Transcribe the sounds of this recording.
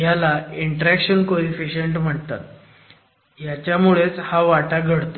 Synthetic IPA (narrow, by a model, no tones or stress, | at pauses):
jalaiɳʈəɾækɕənkoɾifiɕeɳʈm̤əʈ̚t̪a̰t̪̚ | jat͡ɕjamuɭet͡shaʋaʈaɡʱəɽt̪o